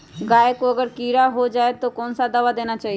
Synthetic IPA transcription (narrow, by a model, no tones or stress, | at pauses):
ɡaːekoɐɡəɾkiːɾaɦod͡ʒaːet̪okɔːnsad̪ɐʋad̪eːnat͡ʃaːɦie